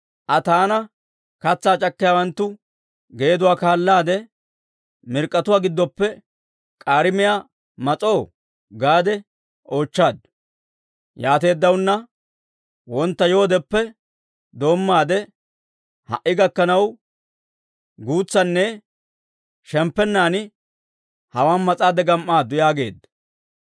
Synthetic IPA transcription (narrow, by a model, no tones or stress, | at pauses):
ʔɐt̪aːnɐ | kɐt͡sːaːt͡ʃʼɐkːɪjaːwɐnt̪ːʊ | ɡe̞ːd̪ʊwaːkaːlːaːd̪ɛ | mɪɾkʼːɐt̪ʊwaːɡɪd̪ːɔpːɛ | kʼaːɾɪmɪjaː | mɐt͡sʼo̞ː | ɡaːd̪ɛ | o̞ːt͡ʃːaːd̪ | jaːt̪e̞ːd̪ːɐwnːɐ | wɔnt̪ːɐjo̞ːd̪ɛpːɛ | d̪o̞ːmːaːd̪ɛ | hɐ̰ʔɪɡɐkːɐnɐw | ɡuːt͡sːɐnːɛ | ʃɛmpːɛnːaːnɪ | hɐwaːnmɐt͡sʼaːd̪ɛɡɐmʔːaːd̪ːʊjaːɡe̞ːd̪ɐ